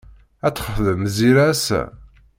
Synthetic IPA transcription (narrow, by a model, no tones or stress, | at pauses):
æt͡sːə̥χəðəmziɾæsæ̰